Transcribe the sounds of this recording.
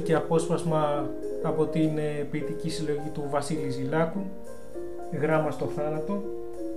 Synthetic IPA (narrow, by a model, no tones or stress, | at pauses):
ceɐpo̞spɐzmɐː | po̞t̪inpit̪icisilo̞ʝit̪uvɐsilizilɐkun | ɣɾɐmɐst̪o̞θɐnɐt̪o̞